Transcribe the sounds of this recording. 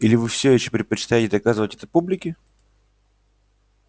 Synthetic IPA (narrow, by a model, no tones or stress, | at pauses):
ilʲɪvɨfsʲeɕːo̥pɾʲɪt̪̚pət͡ɕɪ̥t̪ajɪtʲɪd̪ɐkazɨvətʲɛt̪əpublʲɪkʲɪ